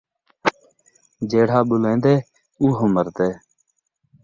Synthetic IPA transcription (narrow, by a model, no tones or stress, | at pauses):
d͡ʒeːɽ̤aːɓʊlẽːnd̪eː | uːɦõməɾt̪eː